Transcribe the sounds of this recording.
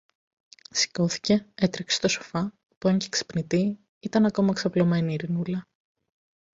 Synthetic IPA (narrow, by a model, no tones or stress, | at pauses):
si̥ko̞θi̥ce̞et̪ɾekse̥t̪o̞so̥fɐ | puɐɲcekse̥pnit̪i | it̪ɐnɐko̞mɐksɐplo̞me̞niːɾinulɐ